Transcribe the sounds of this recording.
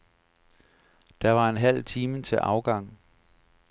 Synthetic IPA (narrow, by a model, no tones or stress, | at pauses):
d̥ɑ̈ʋɑ̈enɦæl̰t͡sʰiːmət͡sʰe̝ʔɑ̈ʊɡ̥ɑ̈ŋ̰